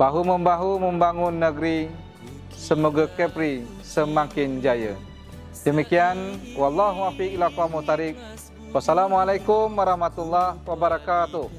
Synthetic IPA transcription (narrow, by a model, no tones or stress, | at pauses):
b̥aɦuməmbaɦuməmbaŋʊnːəɡəɾi | səmoɡakɛpɾi | səmaŋkɪnd͡ʒajə̰ | dəmikianwɑlːɑɦuafiklakamut̪aɾik̚ | wasalamualajkʊmwaɾɑhmat̪ulːahwabaɾakat̪ʊh